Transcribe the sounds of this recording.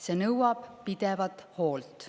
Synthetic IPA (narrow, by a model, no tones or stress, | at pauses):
se̞ːnɤwɑb̥pid̪̥ɛvɑt̪ho̞ːlt̪